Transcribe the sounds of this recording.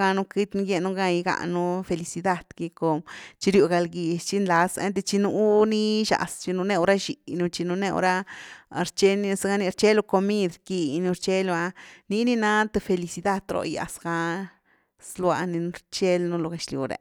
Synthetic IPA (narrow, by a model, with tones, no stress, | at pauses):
ɡa˧nu˦ki˦t̪nu˦ɡje˧nu˦ɡa˧ji˧ɡa̰˧nu˦fe˧li˧si˧d̪a˧d̪̥ɡi˧ko˧t͡ʃi˧ɾju˧ɡa˧lɡi˨t͡ʃi˦nla˧sḛ˦nt̪e˧t͡ʃi˧nu˧˦ni˦ʃa̰˨st͡ʃi˧nu˧ne˧u˧ɾa˦ʃi˨nu˧t͡ʃi˧nu˧ne˧o̰˧ɾa˦ɾt͡ʃe˦ni˧sɡa˧˦ni˧ɾt͡ʃe˦lo˧ko˧mi˦d̪ɾki˧nu˧ɾt͡ʃe˦lo˧a˧ni˧˦ni˦na˦t̪e˧fe˧li˧si˧d̪a˦˧d̪ɾo̰˧ja̰˨sɡa˧ | slwa̰˧ni˧nu˧˦ɾt͡ʃe˦lnu˧lo˧ɡe˨ʃljṵ˨ɾḛ˧˨